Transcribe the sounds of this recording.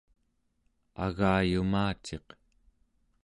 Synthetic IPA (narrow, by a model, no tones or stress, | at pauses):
a̰ɣaːjumaːt͡ʃe̞q